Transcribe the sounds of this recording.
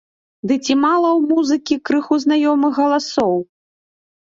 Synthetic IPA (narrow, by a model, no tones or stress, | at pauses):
d̪ɨt͡sʲimalˠɐwmuzɨkʲikɾɨxuznajɔmɨxɣɐlˠasɔw